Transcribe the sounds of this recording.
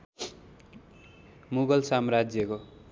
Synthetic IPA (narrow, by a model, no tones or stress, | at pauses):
muɡʌlsamrad͡zjʌko